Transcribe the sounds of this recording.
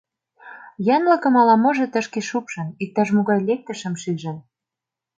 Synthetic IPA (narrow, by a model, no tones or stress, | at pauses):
jɑnlɤ̆kɤ̆mɑlɑmŏʒɤ̆t̪ə̆ʃkeʃupʃɤ̆nik̚t̪ɑʃmuɣɑjlek̚t̪ə̆ʃə̆mʃyʒə̆n